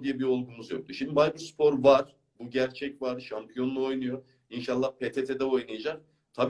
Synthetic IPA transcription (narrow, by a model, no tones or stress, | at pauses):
d̪ijɛbio̞lˠɡumuzjok̚t̪yʃimd̪ibajbispʰo̞ɾvaɾ̥ | buɟæɾt͡ʃʰɛcvaɾʃampijo̞nlˠuo̞jnujo | inʃalˠːahpʰet̪ʰet̪ʰed̪ɛo̞jnajad͡ʒak | t̪ʰab